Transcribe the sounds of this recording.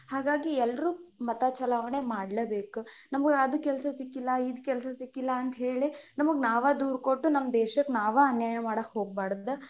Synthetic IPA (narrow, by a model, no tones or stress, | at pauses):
haːɡaːɡiɛlːɾuːmɐt̪at͡ʃɐlaːʋɐɳemaːɽlɐbeːkunɐmɐɡeɐd̪ukɛlsɐsikːilːɐid̪kɛlsɐsikːilːɐːnt̪ɐɦeːɭinɐmɐɡnaːʋɐd̪uːɾkoʈːunɐmːɐd̪ɛːʃɐknaːʋaɐnjaːjɐmaːɽɐkhoːɡ̚baːɽɐd̪ːɐ